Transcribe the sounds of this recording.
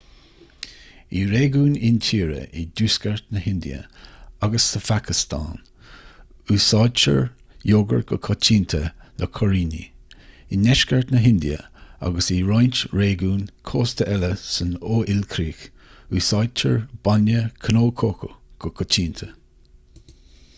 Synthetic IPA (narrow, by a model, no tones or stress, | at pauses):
iːɾeːɡuːnɪntʰiːɾə̰ʔiduːskəɹt̪nəhɪnd̪ḭə̰aɡəsːəfakʰɪst̪ʰa̰ːn | uːsɑːdt͡ʃə̰ɹ | joːɡə̰ɹɡɔkʰɔt͡ʃiːnt̪ʰələkʰɔɹiːnḭinɛʃkəɹt̪nəɦɪnd̪iə̰a̰ɡəsiɾajntɹeːɡuːnkʰoːst̪əʔɛləsənoːʔɪlkʰɾiːk | usɑːd̚t͡ʃəɹb̥anjəkʰənoːkʰoːkʰəɡ̥ɔkʰɔt͡ʃʰiːnt̪ʰə